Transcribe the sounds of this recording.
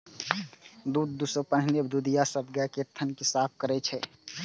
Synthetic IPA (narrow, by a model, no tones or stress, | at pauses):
d̪uːd̪̚ːusəpənɦnebd̪ud̪ijasəb̚ɡakeɾt̪ʰənkisaːp̚ʰkəɾɛt͡ʃʰɛ